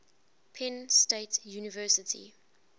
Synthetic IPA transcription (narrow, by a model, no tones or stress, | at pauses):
pʰɛ̃nsteɪtjuːnɪvɜːˑsɪtʰḭ